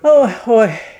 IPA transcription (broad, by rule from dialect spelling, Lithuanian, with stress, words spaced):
ˈoː ˈoːɪ